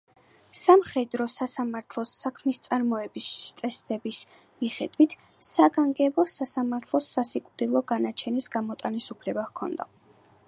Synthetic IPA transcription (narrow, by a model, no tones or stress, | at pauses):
samχɾɛd̪ɾɔsasamaɾt̪ʰlˠɔsːakʰmist̪sʼaɾmɔɛbist̪sʼɛsd̪ɛbis | miχɛd̪̥wit̪ʰ | saɡaŋɡɛbɔsasamaɾt̪ʰlˠɔsasikʼvd̪ilˠɔɡanat͡ʃʰɛnisɡamɔt̪ʼanisupʰlɛbahkʰɔ̰nd̪a̰